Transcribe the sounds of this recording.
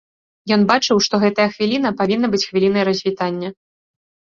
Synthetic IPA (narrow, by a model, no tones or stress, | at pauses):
jɔn̪bat͡ʂɨwʂt̪ɔɣɛt̪ɐjɐxvʲilʲin̪ɐpavʲinːɐbɨt͡sʲxvʲilʲin̪ɐjɐɾɐzʲvʲit̪anʲːɐ